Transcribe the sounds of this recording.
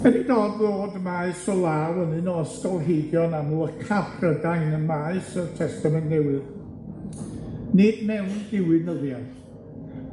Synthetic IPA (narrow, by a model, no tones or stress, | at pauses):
ədidoːdðoːdəmaːɨsɔlˠaːwənɨnɔstɔlˠɦejdjɔnamuəkʰaprədaŋnəmaɨsətʰɛstamɛnnɛwɨð | nɨdmɛwndɪwɨnəðjaθ